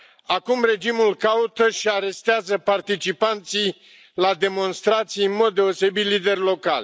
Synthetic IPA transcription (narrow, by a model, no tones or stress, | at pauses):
akumre̞d͡ʒimulkaut̪əʃiaɾe̞st̪eazəpart̪it͡ʃipant̪sij | lad̪e̞mo̞nst̪ɾat̪sijɨnmo̞d̪̚ːe̞o̞se̞bit̪lid̪e̞rʲlo̞ka̰lʲ